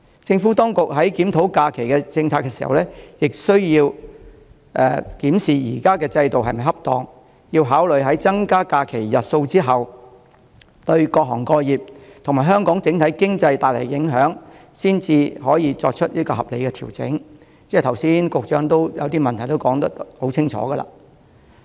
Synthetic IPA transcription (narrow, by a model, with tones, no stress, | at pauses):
t͡sɪ˧ŋfuː˨˥t̪ɔː˥ŋkʊ˨k̚ɦɐ˨˥jkiː˨˥mt̪ʰo˨˥wkaː˧kʰe˨˩jkɛː˧t͡sɪ˧ŋt͡sʰaː˧kːɛː˧siː˨˩hɐ̰˨wlɛː˥jɪ˨k̚sɵ˥ɥjiː˧w | ʔɛ̰ː˨kiː˨˥msiː˨jiː˨˩kaː˥kɛː˧t͡sɐ˧jt̪o˨wɦɐ˨jmɐ˨˩ɦɐ˥p̚t̪ɔː˨˧ŋ | jiː˧wɦaː˨˥wlɵ˨˩ɥɦɐ˨˥jt͡sɐ˥ŋkaː˥kaː˧kʰe˨˩jjɐ˨t̚so˧wt͡siː˥ɦɐ˨˩w | t̪ɵ˧ɥkɔː˧k̚ɦɔ̰ː˨˩ŋkɔː˧jiː˨p̚t̪ʰŋmaː˨˩ɦœː˥ŋkɔː˨˥ŋt͡sɪ˨˥ŋt̪ʰɐ˨˥jkɪ˥ŋt͡sɐ˧jt̪aː˨˩le˨˩jjɪ˨˥ŋɦœː˨˥ŋsiː˥nt͡siː˧hɔː˨˥jiː˨˧t͡sɔ̰ː˧k̚t͡ʃʰɵ˥t̚liː˥kɔː˧hɐ˨p̚le˨˧jkɛː˧t̪ʰiː˨˩wt͡sɪ̰˨˥ŋ | t͡sɛː˥˩t̪ʰɐ˨˩wsiː˥nkʊ˨k̚t͡ʃœː˧˥ŋt̪o˥wjɐ̰˨˧wt̪iː˥mɐ˨nt̪ʰɐ˨˩jt̪o˥wkɔː˨˥ŋt̪ɐ˥k̚t̪ho˨˥wt͡sʰɪ˥ŋt͡ʃʰɔ̰ː˨˥ɡɐ˧la̰ː˧